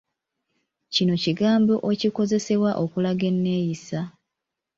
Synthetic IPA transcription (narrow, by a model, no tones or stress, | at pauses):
cino̞ciɡaːmbo̞ʔeciko̞ze̞se̞βwaʔo̞kulaɡe̞nːe̞ːjisa